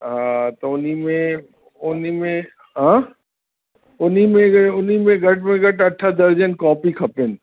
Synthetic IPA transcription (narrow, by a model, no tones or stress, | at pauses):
at̪oʊnimẽ | ʊnimẽ | ɦãː | ʊnimẽɡʊnimẽɡʱɐʈmẽɡʱɐʈɐʈʰːad̪ɐɾd͡ʒənkɔːpikʰɐpɪn